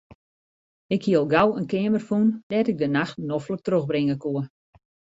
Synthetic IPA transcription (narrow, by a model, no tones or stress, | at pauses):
ɪkhiəlˠɡawənkɪəmərfundɛtɪɡ̚dənaxtnɔflək̚trøxbrɪŋəkuə